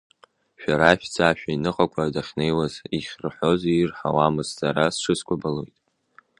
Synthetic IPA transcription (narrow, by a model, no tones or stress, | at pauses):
ʃᶣaɾaʃd͡zaʃᶣainɨqʼakʷʰadaχʲne̞jwaziχʲrħo̞zirħawamɨzt͡saɾasʂɨskʷʼabalo̰jtʼ